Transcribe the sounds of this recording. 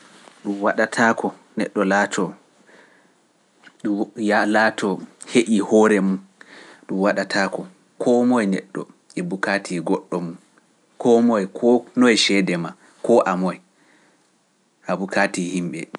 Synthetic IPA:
ɗumwaɗatʰaːkɔ | nɛɗːɔlatʰɔ | ɗujalaːtʰɔheʔihɔɾɛmunɗumwaɗatʰaːkɔ | kʰɔmɔjnɛ̰ɗːɔ̰ | ʔɛbukatʰiɡɔɗːɔmun | kʰɔmɔjkʰɔnɔjʃɛdɛma | kʰɔʔamɔj | ʔabukatihimɓɛ̰

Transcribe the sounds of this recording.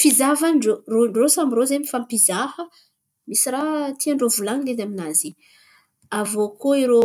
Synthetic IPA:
fizavanɳɖ͡ʐoroɳɖ͡ʐosamɾozemifampizahə | misiɾat̪ʰiaɳɖ͡ʐovulanined̪aminazi | avokoiɾo

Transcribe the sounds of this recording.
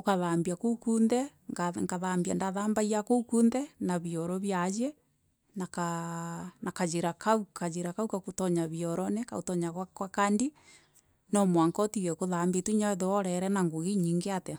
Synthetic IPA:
okaðaːmbjakokundɛŋaŋkaðambiandaðaːmbaiakokuːndɛnaβjɔɾɔβjad͡ʒe | naka | nakad͡ʒeɾakaukazeɾakaukakotɔɲaβiɔɾɔnɛkaotɔɲaɣakwakandi | nɔmwaŋkɔtiɣɛkoðambitwiɲaeðoɔɾɛɾɛnaŋɡuɣiɲiːŋɡeatɛ

